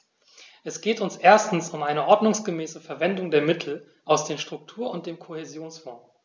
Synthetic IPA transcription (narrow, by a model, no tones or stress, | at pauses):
ʔɛsɡ̥eːtʊnsʔeːɐstn̩sʊmʔaɪnəʔɔɐdnʊŋsɡ̥əmɛːsəfɛɐvɛndʊŋdeːɐmɪtʰl̩ | ʔaʊsd̥eːmʃtʁ̥ʊk̚tʰuːɐʊnt̚d̥eːmkʰohezjoːnsfɔ̃ː